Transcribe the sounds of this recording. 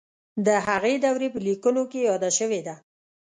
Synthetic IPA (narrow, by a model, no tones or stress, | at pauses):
d̪əɦaɣed̪awɾepəlikunokejɑd̪aʃəwed̪a